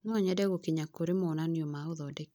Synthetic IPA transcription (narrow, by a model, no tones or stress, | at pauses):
nɔɲɛdɛɣokiɲakoɾemonaniomaoðɔdek